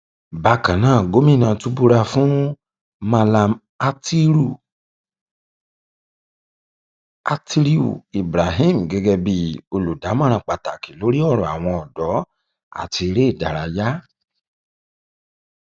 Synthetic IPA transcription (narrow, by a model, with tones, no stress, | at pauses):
ba˧˦kã˨nãː˨˦˨ɡo˨˦mĩ˦˨nã˧tu˦bu˦ɾa˧fũ˦ | ma˧la˧m | a˧ti˦ɾu˦˨ | a˧ti˦ɾi˦ṵ˨i˨bɾa˨ɦi˦m̩˨ɡɛ˧ɡɛ˧bi˧o˧lu˨da˨˦mã˦˧ɾ̃ã˧˨k͡pa˧ta˨ki˨lo˨˦ɾi˦ɔ˦˨ɾ̃ɔ̃˨a˨w̃ɔ̃˧ɔ˨dɔ˨˦ | a̰˨ti˧e˧ɾe˦i˦˨da˨ɾa˧ja˦